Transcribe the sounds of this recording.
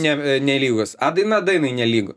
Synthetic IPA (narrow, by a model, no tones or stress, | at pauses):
nʲɛnʲɛlʲiːɡʊsɐd̪ɐɪnɐd̪ɐɪnɐɪnʲɛlʲiːɡʊ